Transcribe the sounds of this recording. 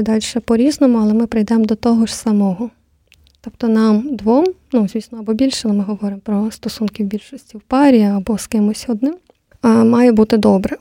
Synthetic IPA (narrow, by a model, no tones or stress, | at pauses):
d̪ɑlʲʃɛpɔɾʲiznɔmʊɐlˠɛmɪpɾɪjd̪ɛmd̪ɔt̪ɔɦɔʒsɐmɔɦɔ | t̪ɔpt̪ɔnɑmd̪ʋɔmnuzʲʋʲisnɔɐbɔbʲilʲʃɛlˠɛmɪɦɔʋɔɾɪmpɾɔst̪ɔsunkʲiwbʲilʲʃɔsʲtʲiwpɑɾʲiɐɐbɔskɪmɔsʲɔd̪nɪm | mɑjɛbut̪ɪd̪ɔbɾɛ